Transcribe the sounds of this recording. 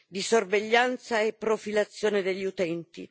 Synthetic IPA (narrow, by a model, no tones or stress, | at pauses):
d̪isorveʎːant̪saepːɾofilat̪sːjoːned̪eʎːiut̪ɛnt̪ḭ